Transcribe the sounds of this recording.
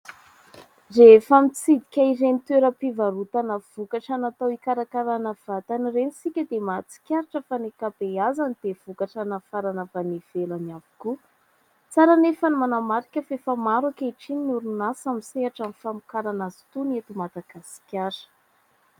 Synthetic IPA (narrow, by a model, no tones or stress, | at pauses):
refamit͡sid̪ikʲairenit̪weɾəpivaɾut̪anəv̥ukaʈ͡ʂanat̪awikaɾakaɾanəv̥at̪anirenisikʲəd̪emat͡si̥kʲaɾaʈ͡ʂəfanekapeazanid̪̥ev̥ukaʈ͡ʂanafaɾanəbaniv̥elanavi̥ku | t͡saɾanefanimanamaɾikʲəfefamaɾakaiʈ͡ʂininuɾunasamiseaʈ͡ʂanifamukaɾanazi̥t̪unat̪umad̪aɡasi̥kʲaɾə̥